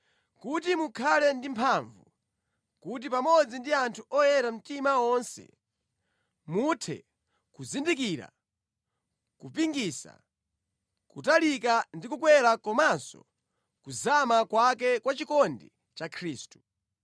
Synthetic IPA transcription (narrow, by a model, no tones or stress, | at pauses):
kutimukʰalɛndimpʰaɱvṵ | kut̬ipamɔd͡zindiantʰuɔjɛɾam̩timawɔnsɛ̰ | mutʰɛ̰ | kuzindik̬iɾa̰ | kupiŋɡisa̰ | kutalikandikukwɛɾakɔmansɔ̰ | kuzamakwakɛkwat͡ʃikɔndi | t͡ʃakʰɾiːstu̥